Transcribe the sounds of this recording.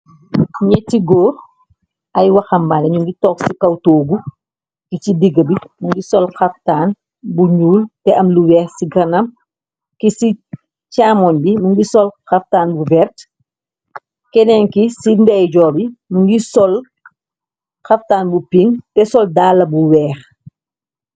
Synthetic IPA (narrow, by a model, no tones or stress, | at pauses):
ɲɛtːiɡɔːr | ʔɐjwɐxɐmbaːnɐɲuŋɡitɔːksikɐwtoːɡu | kit͡ʃidiɡəbimuŋɡisɔlxɐftaːn | buɲuːltɛɐmluwɛːsiɡɐnɐm | kisi | caːmɔnbimuŋɡisɔlxɐftaːnbuvɛrt | kɛnɛŋkisimdɛjɟɔːbimuŋɡisɔl | xɐftaːnbupiŋtɛsɔldaːlːɐbuwɛːx